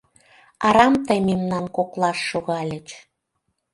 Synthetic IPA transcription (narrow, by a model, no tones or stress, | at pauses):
ɑɾɑmt̪əjmemnɑnkoklɑʃːoɣɑlʲət͡ɕ